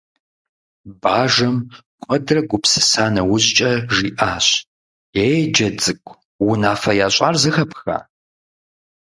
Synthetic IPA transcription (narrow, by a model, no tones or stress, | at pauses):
baːʒɐmqʷʼɐdrɐɡʷʊpsɨ̥saːnɐwʊʑt͡ʃʼɐʒiːʔaːɕ | jejd͡ʒɐd͡zɨkʷʰʼ | wʊnaːfɐjaːɕʼarzɨxɐpʰxa̰ː